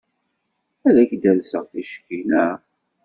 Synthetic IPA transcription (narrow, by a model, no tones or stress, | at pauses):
æðæçd̪ælsəʁθiʃkinæ